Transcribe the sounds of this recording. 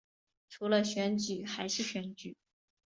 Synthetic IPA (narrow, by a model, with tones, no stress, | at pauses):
ʈ͡ʂʰu˧˥lə˧ɕɥɛ˧˥nt͡ɕy˨˩˦xa˧˥ɪʂɻ̩˥˩ɕɥɛ˧˥nt͡ɕy˨˩˦